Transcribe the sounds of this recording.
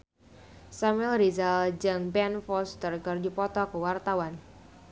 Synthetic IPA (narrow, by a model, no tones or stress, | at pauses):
samɛlɾizald͡ʒaŋbɛnfɔst̪ərkərdipɔt̪ɔkəwart̪awan